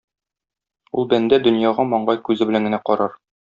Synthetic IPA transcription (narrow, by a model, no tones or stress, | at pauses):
ṵlˠbænd̪æd̪ɵ̆njɑʁɑmɒɴɢɑjkʉzɘbɘ̆læŋɡɘ̆næqɒɾɑɾ